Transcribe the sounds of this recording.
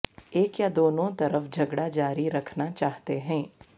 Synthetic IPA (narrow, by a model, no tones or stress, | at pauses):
eːkjad̪oːnõt̪ɐɾəfd͡ʒʱɐɡɽad͡ʒaːɾiɾɐkʰnat͡ʃaːɦt̪eɦɛ̃ː